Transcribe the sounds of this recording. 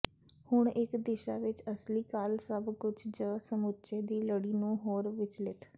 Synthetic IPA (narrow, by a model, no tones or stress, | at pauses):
hʊɳ̃ɪkd̪ɪʃaːʋɪt͡ʃəsliːkaːlsəbkʊt͡ʃʰd͡ʒəːsəmʊtːt͡ʃeːd̪iːləɽiːnũːɦoːɾʋɪt͡ʃlɪt̪